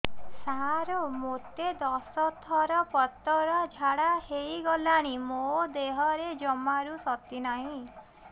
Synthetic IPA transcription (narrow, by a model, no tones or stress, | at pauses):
saɾomot̪ed̪ɔsɔt̪ʰɔɾɔpɔt̪ɔɾɔd͡ʒʱaɽahejɡɔlaɽ̃imod̪eɦɔɾed͡ʒɔmaɾusɔt̪inaɦĩ